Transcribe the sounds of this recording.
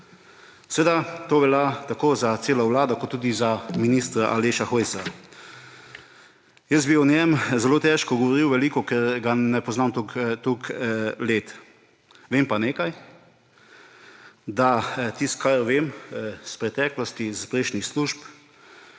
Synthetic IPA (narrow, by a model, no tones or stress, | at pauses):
sɛʋeːd̪at̪oːʋɛljat̪akoːzat̪seːlawlaːd̪ɔkɔt̪ːuːd̪izaminist̪ɾaʔaleːʃaxojsa | jəst̪biɔnjɛmzɛloːt̪ɛːʃkɔɡɔʋɔɾiwʋɛliːkɔkɛɾɡanɛpɔznamt̪ukt̪ukleːt̪ | ʋempaneːkaj | d̪at̪ist̪kʰaɾʋemspɾɛt̪ɛːklɔst̪izpɾeʃnixsluːʒp